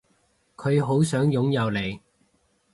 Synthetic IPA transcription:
kʰɵ˨˧ɥɦo˨˥wsœː˨˥ŋjʊ˨˥ŋjɐ˨˧wle˨˧j

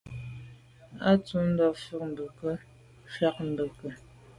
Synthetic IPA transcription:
a˦t͡su˨˦n̩˦dɔ˨fə˦k̚m̩˨bə˨kə˦ | fa˦k̚n̩˨bə˨kə˨

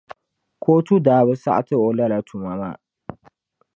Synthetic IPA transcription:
kʰoː˦tu˦daː˨bʊ˦sa̰˦ʔa˦˨tɨ˦ɔ˨la˦la˨tʰu˨ma˨ma̰˦

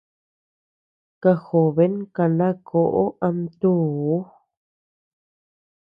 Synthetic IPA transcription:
ka˧xo˨βe˦ŋka˧˨nã˦kʰo˨ʔo˦ʔa˧mt̪uː˦˨˦

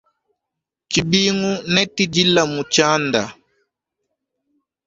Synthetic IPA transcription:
t͡ʃi˨bi˦ŋu˦nɛ˦ti˦d͡ʒi˦la˨mu˨t͡ʃa˦nda̰˨

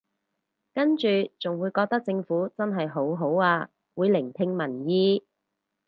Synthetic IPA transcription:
kɐ˥nt͡ʃyː˨t͡sʊ˨ŋwuː˨˧jkɔː˧k̚t̪ɐ˥k̚t͡sɪ˧ŋfuː˨˥t͡sɐ˥nɦɐ˨jɦo˨˥wɦo˨˥waː˧ | wuː˨˧jlɪ˨˩ŋt̪ʰɪ˧ŋmɐ˨˩njiː˧

